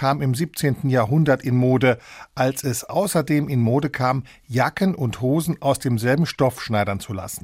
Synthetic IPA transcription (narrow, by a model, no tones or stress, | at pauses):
aːmɪmziːp̚t͡seːntn̩jaːɐɦʊndɐtɪnmoːdəʔalsɛsʔa̰ʊsɐdeːmɪnmoːdəkʰaːm | jakənʔʊnthoːzn̩ʔaʊsd̥eːmzɛlbm̩ʃtɔfʃnaɪdɐnt͡sula̰sn̩